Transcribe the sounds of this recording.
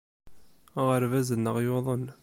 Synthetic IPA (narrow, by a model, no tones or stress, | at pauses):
ʁəɾvæzənːəʁjoðˤən